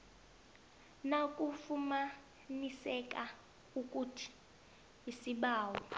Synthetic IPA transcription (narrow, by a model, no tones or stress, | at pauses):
nakʼufuma | nisɛkʼa | ukʼutʰi̥ | isiɓaːwɔ